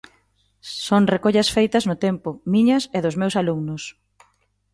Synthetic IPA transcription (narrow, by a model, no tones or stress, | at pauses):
soŋrekoʎɐsfejt̪ɐznʊt̪empʊmiɲɐseðʊzmewsaluŋnʊs